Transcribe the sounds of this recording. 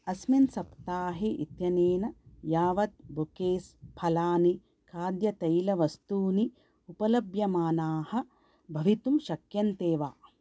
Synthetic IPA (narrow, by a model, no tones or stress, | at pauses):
ɐsminsɐpt̪aːɦeʔḭt̪jɐneːnɐjaːʋɐt̪̚bʱukeːspʰɐlaːni | kaːd̪jɐt̪ɐjlɐʋɐst̪uːni | upɐlɐbjɐmaːnaːhɐ̆ | bʱɐʋit̪umʃɐkjɐnt̪eːʋaː